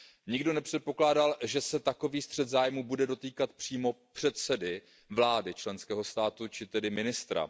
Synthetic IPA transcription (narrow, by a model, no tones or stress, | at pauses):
ɲɪɡdo̞nɛpr̝̥ɛt̪̚po̞klaːdalʒɛsɛt̪ako̞viːst̪r̝̥ɛt̪zaːjmuːbudɛdo̞t̪iːkat̪pr̝̥iːmo̞pr̥ɛt̪sɛdɪ | vlaːdɪt͡ʃlɛnskɛːɦo̞st̪aːt̪ut͡ʃɪt̪ɛdɪmɪnɪst̪ɾa̰